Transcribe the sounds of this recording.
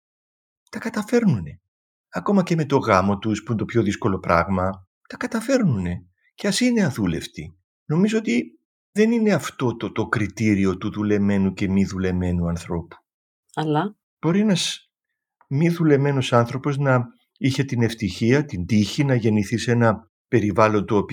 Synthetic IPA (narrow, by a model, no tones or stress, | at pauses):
t̪ɐkɐt̪ɐfe̞ɾnune̞ | ɐko̞mɐce̞me̞t̪o̞ɣɐmo̞t̪uspunt̪o̞pço̞ðisko̞lo̞pɾɐ̰ɣmɐ | t̪ɐkɐt̪ɐfe̞ɾnune̞ | ceɐsineɐðule̞̰ft̪i | no̞mizoot̪i | ðe̞nine̞ɐft̪o̞t̪ot̪o̞kɾit̪iɾio̞t̪uðule̞me̞nuce̞miðule̞me̞nuɐnθɾo̞pu̥ | ɐlɐ | b̥o̞ɾienɐs | miðule̞me̞no̞sɐnθɾo̞po̞znɐ | içe̞t̪ine̞ft̪içiɐt̪ind̪içinɐʝe̞niθise̞nɐ | pe̞ɾivɐlo̞nt̪oopi